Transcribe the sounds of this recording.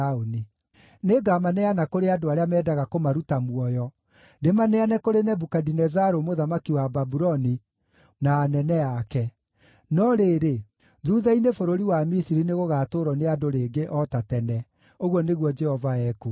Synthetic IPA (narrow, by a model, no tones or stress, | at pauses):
oni | neɡamanɛanakoɾeadoaɾeamɛːdaɣakomaɾutamwɔjɔ | ndemanɛanɛkoɾenɛbukadinɛzaɾomoðamakiwababuɾɔni | naːnɛnɛakɛ | nɔɾeːɾe | ðuðɛinefoɾoɾiwamisiɾineɣoɣaːtoɾɔneadoɾeːɡeʔɔtatɛnɛ | oɣwɔneɣwɔd͡ʒɛhɔvaɛku